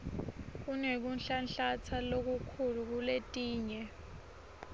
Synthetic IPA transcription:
k̬unek̬unɬanɬat͡sʰalok̬ukʰuluk̬uletʼiːɲɛ

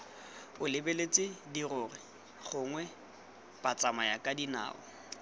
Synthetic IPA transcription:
ʊlɪbelet͡sʼɪdirʊːrɪ | χʊŋwɛ | pat͡sʼamajakʼadina̰ːʊ̰

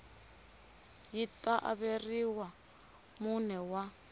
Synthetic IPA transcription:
jitʼaʔa̰βeriwa | munɛwa

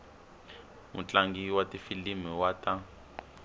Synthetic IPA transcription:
mṵt͡ɬaŋɡiwatifilimiwata

